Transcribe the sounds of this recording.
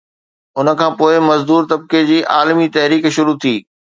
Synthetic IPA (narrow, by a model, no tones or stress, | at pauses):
ʊnə̆kʰãːpoːɪmɐzd̪uːɾt̪ɐb̚ked͡ʑiːʔaːlmit̪ɐɦɾiːkʃʊɾut̪ʰiː